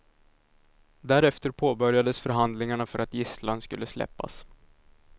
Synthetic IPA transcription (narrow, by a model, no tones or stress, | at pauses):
d̪æɾɛft̪əɾpʰoːbœɾjad̪əsfœɾɦand̪lɪŋaɳafœɾat̪jɪslanskɵ̰lːəslɛ̰pːa̰s